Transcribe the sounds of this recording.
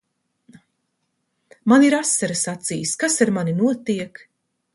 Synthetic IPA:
maniɾasːaɾasat̪sḭjskasaɾmaninuɔt̪iɛk

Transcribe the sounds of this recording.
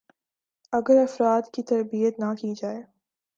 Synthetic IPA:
ɐɡəɾɐfɾaːd̪kit̪ɐɾbijət̪nakid͡ʒaːeː

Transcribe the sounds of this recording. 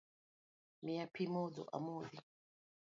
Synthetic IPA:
miapʰimɔdɔ̰ʔa̰moði

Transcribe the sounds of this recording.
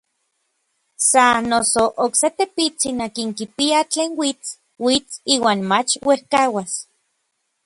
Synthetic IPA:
sanosoʔokset̪epit͡sinakiŋkipiat͡ɬeːnwit͡s | wit͡siːwaːnmat͡ʃwehkawas

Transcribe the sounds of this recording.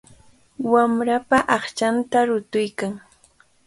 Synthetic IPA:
wamɾapaʔɑχt͡ʃant̪aɾʊt̪ʊjkaŋ

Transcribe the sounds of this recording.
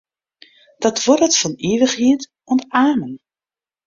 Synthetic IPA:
d̥ɔtʰʋɔɾətfɔniːʋəχhiət | ɔntaːmən

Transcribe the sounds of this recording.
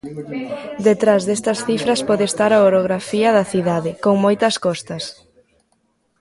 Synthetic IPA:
d̪et̪ɾazðest̪ɐsθifɾɐspɔðest̪aɾaoɾoɣɾafiɐðɐθiðaðɪkoŋmojt̪ɐskɔst̪ɐs

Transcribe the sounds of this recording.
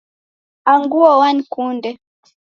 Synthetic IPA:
aŋɡuawankundɛ

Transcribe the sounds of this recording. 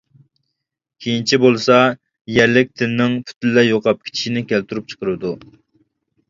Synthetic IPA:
kʲʰejint͡ʃʰibolˠsɑ | jɛɾlɪk̚ʲt̪ʰɪnnɪŋpʰy̥t̪ʰɪlːɛjoqɑp̚kʲʰi̥t͡ʃʰi̥ʃinɪkʲʰælt̪ʰyɾup̚t͡ʃʰə̥qəɾɨd̪u

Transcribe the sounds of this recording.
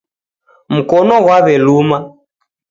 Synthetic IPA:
m̩kɔnɔɣwaβɛluːma

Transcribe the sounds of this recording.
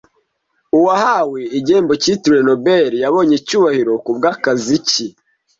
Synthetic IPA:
uwahaweiɟe̞ːmbocituɾeno̞beɾjaβo̞ɲecuːβahiɾo̞kubɡaːkazici

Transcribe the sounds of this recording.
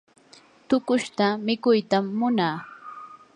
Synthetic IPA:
t̪ʊkʊʃt̪amɪkʊjt̪amːʊnaː

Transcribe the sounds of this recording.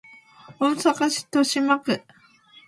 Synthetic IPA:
õñsakaɕi̥t̪oɕimakɯ

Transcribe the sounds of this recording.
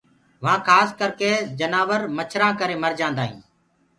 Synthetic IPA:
ʋãːkʰaːskəɾkeːd͡ʒənaːʋəɾmət͡ʃʰɾãːkəɾeːməɾd͡ʒãːnd̪aːɦḭ̃ː

